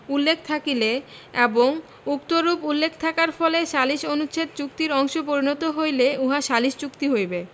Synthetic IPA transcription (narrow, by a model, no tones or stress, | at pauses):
ulːekʰt̪ʰakile | eboŋ | ukt̪oɾupulːekʰt̪ʰakaɾfɔleʃaliʃonut͡ɕʰet̪̚t͡ɕuk̚t̪iɾɔŋʃopoɾinɔt̪oɦojleuɦaʃaliʃt͡ɕukt̪iɦojbe